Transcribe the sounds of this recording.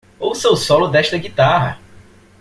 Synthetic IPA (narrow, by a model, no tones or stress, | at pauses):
owsewsɔlʊd̪ɛʃt̪ɐɡit̪aɦɐ̰